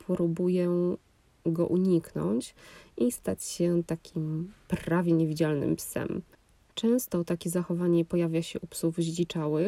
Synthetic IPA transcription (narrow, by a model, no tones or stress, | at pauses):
pʰɾubujɛ | ɡɔ̰ʔuɲiknɔ̰ɲt͡ɕist̪at͡ɕɕɛt̪akʲʰimpɾavʲjɛɲevʲid͡ʑalnɘ̰mpsɛ̰m | t͡ʂɛ̃w̃st̪ɔt̪akʲɛzaxɔvaɲɛpɔjavʲjaɕɛʔupsuvʑlit͡ʂawɘ